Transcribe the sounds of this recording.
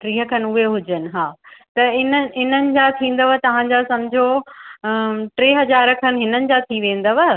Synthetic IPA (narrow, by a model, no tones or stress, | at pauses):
ʈɾiːɦəkʰɐnʊɦeɦʊd͡ʑənɪ̆ɦaːt̪ɐɪnəɪnənɪ̆d͡ʑat̪ʰĩːnd̪əʋət̪ɐʋ̤ãɲd͡ʑasɐmd͡ʑʱo | ʈɾeːɦɐzaːɾəkʰənɪ̆ɦɪnənɪ̆d͡ʑat̪ʰiʋẽːnd̪əʋɐ